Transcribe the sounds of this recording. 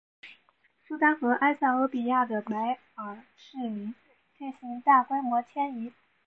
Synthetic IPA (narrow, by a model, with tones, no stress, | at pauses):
su˥t̪a˥nxɤ˧˥ʔa˥ɪsa˥˩ŋɤ˧˥pi˨˩ja˥˩d̪ə˩pa˧˥ɪ | ə˞˨˩ | ʂɻ̩˥˩mi˧˥n | t̪ʰe˥˩ɪɕi˧˥ŋt̪a˥˩kwe˥ɪmwɔ˧˥t͡ɕʰjɛ˥ni˧˥